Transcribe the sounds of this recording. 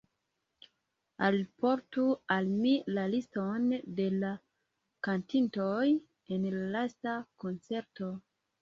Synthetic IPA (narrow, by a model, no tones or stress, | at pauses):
alipoɾtualmilalistonde̞la | kantintoj | enlalastakont͡se̞ɾto̞